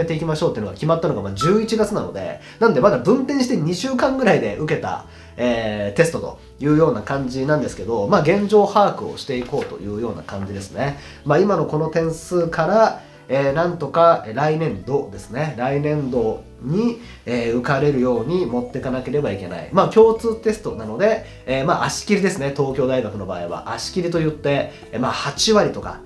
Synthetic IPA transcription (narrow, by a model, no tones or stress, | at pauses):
et̪e̞ikʲimaɕo̞ːt̪eiɯ̟noɡakʲimat̪ːano̞ɡamad͡ʑɨːit͡ɕiɡat͡sɨnano̞̰d̪e̞̰ | nãnd̪e̞mad̪abɯ̟̃nt̪ẽɕi̥t̪eɲ̟iɕɨːkãŋɡɯ̟ɾaid̪e̞ʔɯ̟ke̞t̪a̰ | eːt̪e̞sɨ̥t̪o̞t̪o̞̰ | jɯ̟ːjo̞ːnakãɲ̟d͡ʑinãnd̪e̞sɨ̥ke̞d̪o̞maːɡẽ̞ɲd͡ʑo̞ːhaːkɯ̟o̰ɕi̥t̪e̞iko̞ːt̪o̞̰jɯ̟ːjo̞ːna̰kãɲ̟d͡ʑid̪e̞sɨ̥ne̞ | maːimano̞ko̞no̞t̪ẽ̞ɰ̃sɨkaɾa | eːnãnt̪o̞kaɾainẽ̞nd̪o̞d̪e̞sɨ̥ne̞ɾainẽ̞nd̪o̞ | ɲ̟i | eːɯ̟kaɾe̞ɾɯ̟jo̞ːɲ̟imo̞t̪ːe̞kanake̞ɾe̞baike̞na̰ḭmaːkʲo̞ːt͡sɨːt̪e̞sɨ̥t̪o̞nano̞d̪e̞ | maʔaɕi̥kʲiɾʲid̪e̞sɨne̞t̪o̞ːkʲo̞ːd̪aiɡakɯ̟no̞ba̰ːiβa̰ʔaɕi̥kʲiɾʲit̪o̞jɯ̟t̪ːe̞ | maːhat͡ɕiβaɾʲit̪o̞ka̰